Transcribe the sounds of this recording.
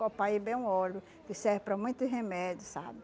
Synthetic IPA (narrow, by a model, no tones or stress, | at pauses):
kopaibẽj̃ũɔlʊ | kɪsɛɾpɾɐmũj̃t̪ʊhemɛdjʊsa̰bɪ